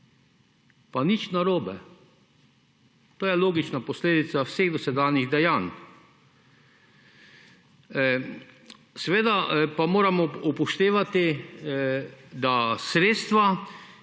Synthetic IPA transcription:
panit͡ʃnaɾoːbɛ | t̪oːjɛloːɡit͡ʃnapɔsleːd̪it̪sawseːɣd̪ɔsɛd̪aːniɣd̪ɛjan | sɛʋeːd̪apamoːɾamɔupɔʃt̪eːʋat̪i | d̪asɾeːt̪st̪ʋa

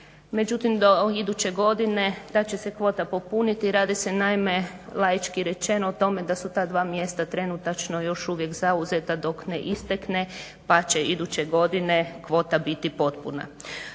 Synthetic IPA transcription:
me̞d͡ʒut̪imd̪o̞id̪ut͡ɕe̞ɡo̞d̪ine̞d̪at͡ɕe̞se̞kʋo̞ːt̪apopunit̪iɾaːd̪isenaime̞ | lˠajit͡ʃkiɾe̞t͡ʃe̞noːt̪o̞me̞d̪asut̪aːd̪ʋaːmje̞st̪at̪ɾe̞nut̪at͡ʃno̞jo̞ʃuʋje̞kzauzet̪ad̪o̞kneʔist̪ekne̞ | pat͡ɕe̞id̪ut͡ɕe̞ɡo̞d̪ine̞kʋo̞ːt̪abit̪ipo̞t̪pṵna̰

